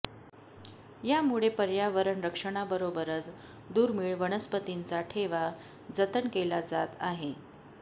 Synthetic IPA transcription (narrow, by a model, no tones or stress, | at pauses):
jamuɭepəɾjaʋəɾəɳɾəkʂəɽ̃abəɾobəɾət͡s | d̪uːɾmiːɭʋəɽ̃əspət̪int͡saʈʰeʋa | d͡zət̪ənkelad͡zat̪aɦe